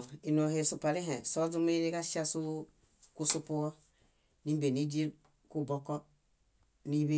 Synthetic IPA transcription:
i˨no˨he˨su˨pa˨ɾi˦ɦẽ˨so˦zu˦me˦ɾi˦ka˦ʃa˦su˦ | ku˦su˦pu˦ɔ˦ | ni˦m˦be˨ni˦d͡ʒi˦e˦ | ku˦bo˦kɔ˦ | ni˦βe˦

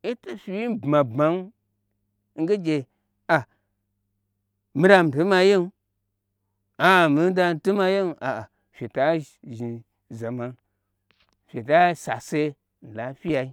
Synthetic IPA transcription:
i˦ta˦fi˦wi˦bma˨ba˨˦ŋ˦ | ŋ̩˦ɡə˦d͡ʒe˨ | a˨ | mi˦ɾa˧m˨tə˨˦ma˧je˦n˦ | a˨mi˨˦n˦da˧n˨˦tə˦ma˧je˦n˨a˨a˨ | fʲe˨ta˦ | ʒi˨ | za˨ma˨n | fʲe˨ta˦sa˨se˦ | n̩˨la˨˦fi˦ja˨i˦

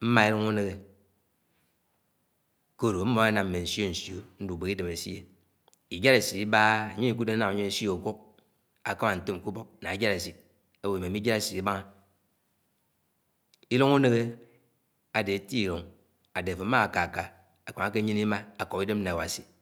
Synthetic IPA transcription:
m̩˦ma˦e˦lo˦ŋu˦ne˦ɣe˨ | ko˦˨ɾo˨˦m̩˦mo˦a˦na˨mm̩˨me˨n̩˨sjo˦n̩˨sjo˨n̩˦du˨be˨ki˦de˨m˨e˨sḭ˦je˨ | i˨d͡ʒa˦ɾe˨si˨i˦ba˦˨ɲe˦i˨ku˦de˦a˦na˨a˨ɲe˦si˦o˨kʷo˦k̚ | a˨ka˦ma˨n̩˨to˦m˨ku˦bo˦k̚na˨i˨d͡ʒa˦ɾe˨si˨t̚ | e˦we˨me˨˦i˦d͡ʒa˦ɾe˨si˨i˦ba˦ŋa˦ | i˦lo˦ŋu˦ne˦ɣe˦ | a˨de˨˦ti˦i˨lo˨ŋ | a˨de˨fo˨˦ma˦a˨ka˨ka˨ | a˨ka˨ŋa˦ke˦ɲi˦n˦i˦ma˦a˨ko˨ki˦de˦m̩˦a˨wa˨si˨

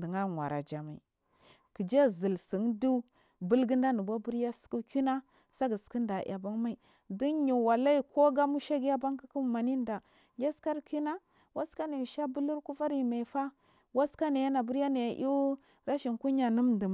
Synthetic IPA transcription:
də˨ŋa˦ŋwa̰˨ɾa̰˨d͡ʒa˨ma˨ḭ˨ | ki˨d͡ʒa˦zi˨lsi˨ŋdu˦ | bu˦lɡə˦nda˦nu˨ba˦bu˦ɾja˦sku˦kʲu˦na˦ | sa˦ɡə˨ski˦nda˨ʔa̰˨ba˦ŋma˦i˨ | di˦nɲu˨wa˨la˦i˦ko˦ɡa˦mu˦ʃa˦ɡi˦ja˦ba˦ŋki˦ku˦ma˨ni˦nda˨ | ja˦ska˦ɾku˦na˦ | wa˦ska˦na˨ʃa˦bu˦lu˦ɾku˦fa˦ɾi˨ma˨fa˦ | wa˦ska˦na˨ja˦na˨bu˦ɾja˦na˨jʔi˦ | ɾa˦ʃi˨ŋku˦ɲa˨nu˦mndə˨m˨

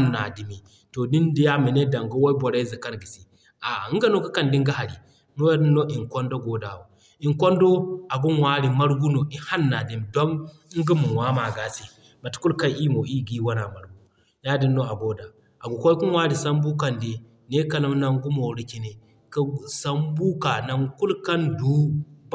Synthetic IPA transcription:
ha˦nːa˨di˨mi˨ | to˨di˦ndi˦ja˦mi˨ne˦da˨ŋɡu˦wa˦i˦bo˨ɾa˦zi˨ka˦nɡi˨si˨ | ʔa˨˦ŋ˦ɡa˦no˦ka˦ka˨ndi˦ŋɡa˦ɦa˨ɾḭ˨ | no˦ja˦di˦nːo˦ʔi˨ŋkʷo˦ndo˦ɡo˨˦da˨wo˨ | i˨ŋkʷo˦ndo˦a˨ɡu˦nwa˦ɾi˨ma˦ɾɡu˦no˨ʔi˦ha˦nːa˨di˨mi˨do˦n˦ | ŋ˦ɡu˦mu˨wa˦ma˨ɡa˨˦se˨ | ma˨tku˦lka˦jʔi˦mo˨i˦ɡi˦wa˦na˨ma˨ɾɡu˦ | ja˦di˦nːo˦a˨ɡo˦da˨ | a˨ɡu˨kʷo˦ku˦nwa˦ɾi˨sa˦mbu˦ka˨nde˨ | ne˦kɐ˨la˦m˦na˦ŋɡu˦mo˨ɾi˨ki˨ne˨ | ka˦˨sa˦mbu˦ka˨na˨˦ŋku˦lka˦ndu˦

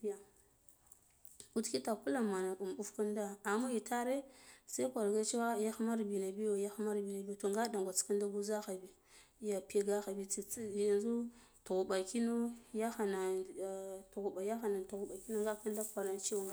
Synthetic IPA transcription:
ja˨ | u˦tki˦ta˨ku˦la˨ma˨na˨ku˨m˨u˦fku˦n˦da˦a˨ma˦i˨ta˦ɾe˦sa˦kʷa˨ɾɡa˦t͡ʃi˦wa˦ja˦xma˦ɾbi˨na˨bi˦jo˨ja˦xma˦ɾbi˨na˨bi˦jto˨ŋɡa˦da˨ŋɡʷa˨t͡ska˦nda˦ɡu˦za˦xa˨bi˨˦ | ja˨pi˦ɡa˦xa˨bi˦i˨˦˨a˨nzu˦ | tu˨ɣu˨ba˨ki˦no˦ja˦xa˨na˨ | tu˨ɣu˨ba˨ja˦xa˨na˨tu˨ɣu˨ba˨ki˦no˦ŋɡa˦ka˦n˦da˦kʷa˨ɾna˨t͡ʃi˦wa˨ŋɡa˨

